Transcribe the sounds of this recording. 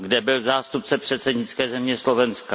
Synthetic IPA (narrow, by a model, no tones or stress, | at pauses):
ɡdɛbɪlzaːst̪up̚t͡sɛpr̝̥ɛt̪sɛdɲɪt͡skɛːzɛmɲɛslovɛnskka